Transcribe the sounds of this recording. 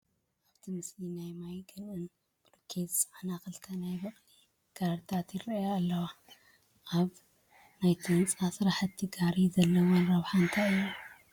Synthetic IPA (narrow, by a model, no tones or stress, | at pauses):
ʔaβt̪ʰimɨslinajmajɡɨɾʔɨn | b̥ɨlukʰezsʼʕanaxɨlkʰanajbɐχʼli | ɡ̥aɾɾt̪ʰat̪jiɾɐjalːɐwa | ʔaβ | najt̪ʰint͡sʼasɨɾaħɨt̪ʰːiɡaɾizɐlːɐwonɾɐβħant̪ʰaɨjːu